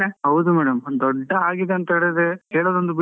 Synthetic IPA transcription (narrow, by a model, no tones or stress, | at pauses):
eɦɐwd̪umɛːɽɐmd̪ɔɖːɐaːɡid̪eɐnt̪ɐiɽed̪ekeːɭoːd̪o̞nd̪ubi